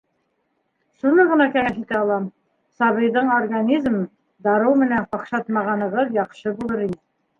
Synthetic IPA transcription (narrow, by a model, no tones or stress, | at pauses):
sunɤʁɤ̆nɑkæŋæʃit̪æɑlˠɑm | sɑβɤ̆jd̪ɤɴorɡanʲizm | d̪ɑɾɤwmɘ̆næɴqɑqʃɑt̪mɑʁɑnɤ̆ʁɤðjɑqʃɤbulˠɤɾinɘ